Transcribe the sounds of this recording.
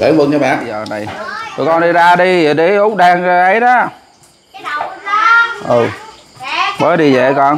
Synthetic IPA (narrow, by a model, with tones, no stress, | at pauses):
kḛ˨˦vɨ˧ŋt͡ɕɔ˨˧˦ɓa̰ː˧˨nəː˨˩na˨˩jt̪o˨˧˩kɔ˧˩nɗi˧zaː˧ɗi˧˨˩ɗi˨˦ʔʊ˦˥k͡p̚ɗaː˧ŋə˧ʔə˨˦jɗɔ˨˦ | ʔɨ˨˩ | ɓəː˨˦ɗi˧zḛ˧˨kɔ˧n